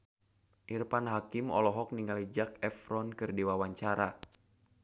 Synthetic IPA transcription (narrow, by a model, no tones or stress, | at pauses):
ʔirpanɦakimɔ̰lɔɦɔk̚niŋalid͡ʒak̚ɛfɾɔnkɨrdiwawaɲt͡ʃaɾa